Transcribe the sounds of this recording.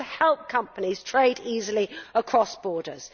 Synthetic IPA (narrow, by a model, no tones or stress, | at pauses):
hɛlˠp̚kʰʌ̃mpəniz̥tʰɹ̥eɪdiːzəliəkʰɹ̥ɒsb̥ɔːdə̰z̥